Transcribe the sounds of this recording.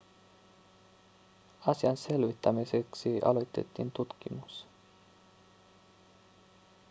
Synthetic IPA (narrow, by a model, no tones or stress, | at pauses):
ɑsiɑnse̞lʋit̪ːæmiseksiʔɑ̰lo̞jt̪ːe̞̰t̪ːḭːnt̪ut̪kimus